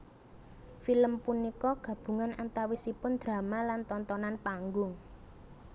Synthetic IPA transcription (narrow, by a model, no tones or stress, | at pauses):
filəmpunikɔɡ̥a̤b̥ṳŋanant̪awisipʊnd̪̥ɾa̤malant̪ɔnt̪ɔnanpaŋɡʊŋ